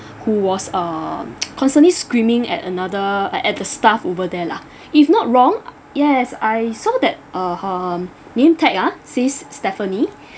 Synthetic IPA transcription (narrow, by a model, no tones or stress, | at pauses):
huwɔsʌkʰɔ̃nstə̃nliskɹĩmɪ̃ŋɛ̰tə̰nadəʔɛt̚dəstafovədɛla | ifnɔt̚ɹɔ̃ŋ | jɛsajsɔdɛt̚ʔəhə | nẽmtʰɛk̚asesːtɛfəni